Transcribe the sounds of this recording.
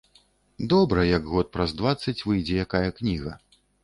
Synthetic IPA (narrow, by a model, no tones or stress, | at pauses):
d̪ɔbɾɐjɐɡɣɔt̪̚pɾɐzd̪vat̪sːɐt͡sʲvɨjd͡zʲɛjakajɐknʲiɣɐ̰